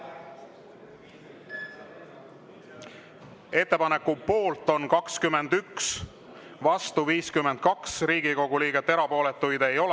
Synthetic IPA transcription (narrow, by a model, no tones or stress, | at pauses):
e̞t̪ːe̞pɑnekːupo̞ːlt̪ːˑo̞nkɑkskymːe̞nd̪yks | vɑst̪uviːskymend̪̥̚kɑksriːɡ̥iko̞ɡ̥uliːɡ̥et̪ːe̞ɾɑpo̞ːle̞t̪ːˑujd̪̥e̞jo̞l